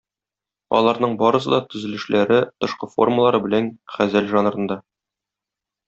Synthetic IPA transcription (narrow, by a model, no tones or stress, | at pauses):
ɒ̰lˠɑɾnɤɴbɒɾɤ̆sɤ̰d̪ɑt̪ɵ̆zɘ̆lɘ̆ʃlæɾɘt̪ɤ̆ʃqɤfo̞̰rməlˠɑɾɤbɘ̆lænχæzælʒɒnɾɤ̆nd̪ɑ